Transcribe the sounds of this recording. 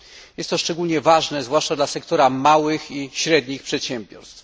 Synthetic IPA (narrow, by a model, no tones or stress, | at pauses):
jɛst̪t̪ːɔʂt͡ʂɛɡulɲɛvaʐnɛzvwaʂt͡ʂad̪lasɛk̚t̪ɔɾamawɘxiɕɾɛd̪ɲixpʂɛt̪ɕɛmbʲjɔ̰ɾst̪f